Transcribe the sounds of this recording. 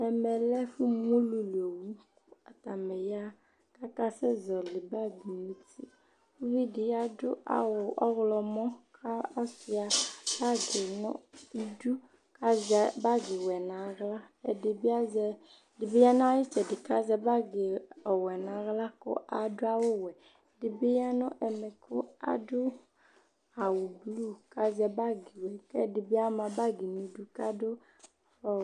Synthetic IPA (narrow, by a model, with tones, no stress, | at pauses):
ɛ˨mɛ˨lɛ˦fu˦m˦o˦lu˨lo˨wu˦kʊ˦a˨t̪a˨mɛ˨ja˦ | ka˦ka˦sɛ˦zɔ˨lɪ˨ba˦bi˨mũ˦tḭ˦ | fu˦vi˦dɪ˨ja˦dʊ̰˦a̰˨wʊ˨ʔɔ̰˦ɣlɔ˨mɔ̃˦kʰa˦a˦sɪ˨a˨ba˦ɡɪ˨nʊ̰̃˦i˦du˦ | ka˦zɛ˦ba˦ɡɪ˨wɛ˨nã˨˦ɣla˦ | ɛ˨dɪ˨bɪ˦a˦zɛ˦ | dɪ˨bɪ˦ja˦nʊ˦a˦jɪ˦t͡ʃɛ˨dɪ˨ka˦zɛ˦ba˦ɡɪ˨ɔ˨wɛ˨nã˨˦ɣla˦kʊ̰˦ʔa˨dʊ˦a˦wʊ˦wɛ˨ | dɪ˨bɪ˦ja˦nʊ˦ʔɛ˨mɛ˨kʰʊ˦a̰˨dʊ˦ | a˨wʊ˨blu˦˨ka˦zɛ˦ba˦ɡɪ˨wɛ˨kɛ˦dɪ˨bɪ˦a˦mã˨ba˦ɡɪ˨nʊ˨i˨˦du˦ka˦dʊ˦˨ | fɔ˦